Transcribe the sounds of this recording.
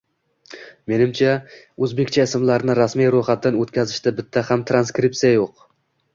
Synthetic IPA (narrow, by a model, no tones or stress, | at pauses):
me̞nɪmt͡ʃʰa | ɵzbe̞kʲt͡ʃʰaɪsɪmlaɾnɪɾasmijɾojχat̪ːanɵt̪kʲʰazɪʃt̪abɪt̪ʰːahamt̪ʰɾanskɾɪpt̪sijajoq